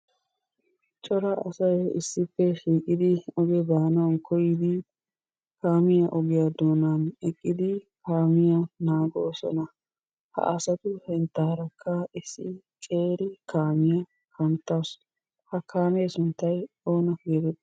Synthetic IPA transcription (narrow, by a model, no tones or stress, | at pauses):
t͡ʃʼɔɾɐʔɐsɐjɪsːɪpːɛʃiːkʼɪd̪ɪɔɡɛb̪aːnɐwnkʰɔjɪd̪ɪ | kaːmɪjɐʔɔɡɪjad̪oːnanɛkʼːɪd̪ɪkaːmɪjɐnaːɡoːsɔ̰nɐ | hɐ̰ʔɐsɐt̪ʊhɛnt̪ːaːɾɐkʰːɐɪsːɪ | kʼe̞ːɾɪkaːmɪjɐ | kɐnt̪ːaːs | hɐkʰaːmɛːsʊnt̪ːɐj | o̞ːnɐɡeːd̪ɛt̪ː